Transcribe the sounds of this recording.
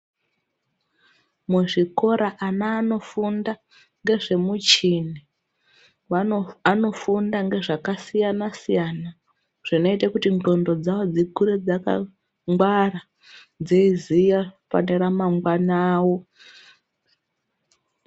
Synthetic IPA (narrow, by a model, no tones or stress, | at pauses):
muʐiko̞ɾaʔanaːno̞funda | ŋɡe̞ʐe̞mut͡ʃine | ano̞fundaŋɡe̞ʐakasijanasijana | ʐ̥ino̞itakutindo̞ndo̞d͡zawo̞d͡zikuɾed͡zaka̰ | ŋɡwara | d͡zeizijafa̰neɾamaŋɡwanaːwo̞